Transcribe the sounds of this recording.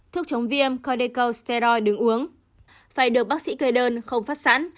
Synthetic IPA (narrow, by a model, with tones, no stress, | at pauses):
t̪ʰɨ˦˥ək̚t͡ɕə˨˦wŋ͡mvi˧əmkɔ˧ɗe˧kə˧wst̪ɛ˧ɾɔ˧jɗɨ˨˦ŋʔu˨˦əŋ | faː˧˩jɗɨ˨˩ək̚ɓa˦˥sḭ˧˥kə˧jɗəː˧nxə˧wŋ͡mfaː˦˥t̚sa̰ː˧˥n